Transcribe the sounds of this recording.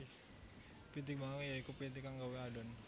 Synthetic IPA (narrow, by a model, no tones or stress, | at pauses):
pit̪ik̚baŋajaikupit̪̬ikaŋɡaweaɖɔn